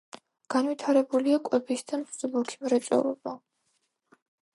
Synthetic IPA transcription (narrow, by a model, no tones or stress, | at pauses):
ɡ̥anwit̪ʰaɾɛbuliakʼwɛbisd̪amzulukʰi̥mɾɛt̪sʼɛ̰lɔba